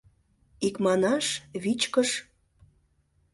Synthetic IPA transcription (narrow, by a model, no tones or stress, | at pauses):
ikmɑnɑʃβit͡ɕkəʃ